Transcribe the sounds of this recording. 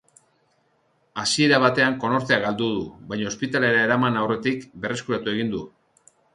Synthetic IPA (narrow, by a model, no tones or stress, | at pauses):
asie̞ɾaβ̞at̪e̞aŋko̞no̞ɾt̪e̞aɣald̪uðuβajɲaospit̪ale̞ɾae̞ɾamanawre̞t̪ikbe̞re̞skuɾat̪ue̞ɣind̪u